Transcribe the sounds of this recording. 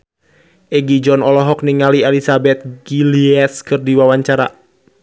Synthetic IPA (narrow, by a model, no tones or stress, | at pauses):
ʔɛɡid͡ʒɔnɔlɔɦɔk̚niŋalialisabɛt̪̚ɡiliɛskɨrdiwawaɲt͡ʃaɾa̰